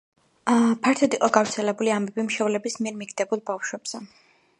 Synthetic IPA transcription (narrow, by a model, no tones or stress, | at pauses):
pʰaɾt̪ʰɔd̪iqʼɔɡaɾt̪sʰɛlɛbuliambɛbimʃɛvlɛbismiɛɾmiɡd̪ɛbulˠbafʃwɛbz̥ɛ